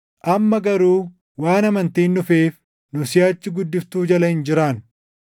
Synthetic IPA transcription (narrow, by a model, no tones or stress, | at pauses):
ʔɐmːɐɡɐɾuː | waːnɐmɐnt̪iːnːʊfeːf | nʊsɪjaːt͡ʃːɪɡʊd̪ːɪft̪uːd͡ʒɐlɐhɪnd͡ʒɪɾaːn